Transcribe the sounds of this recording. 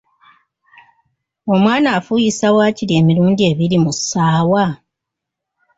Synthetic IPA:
o̞mwaːnaːfujisawaːciɾie̞ːmiɾuːɲdie̞βiɾimusːaːwa

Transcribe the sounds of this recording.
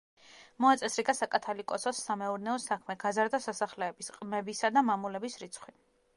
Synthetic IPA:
mɔat̪sʼɛsɾiɡasakʼat̪ʰalikʼɔsɔsːamɛuɾnɛɔsakʰmɛɡazaɾd̪asasaχlɛːbisqʼmɛbisad̪amamulɛbisɾit̪sʰχwi

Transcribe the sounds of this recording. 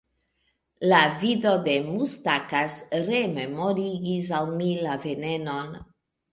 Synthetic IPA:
lavido̞de̞mustakasɾememoɾiɡis̬awmilave̞ne̞no̞n

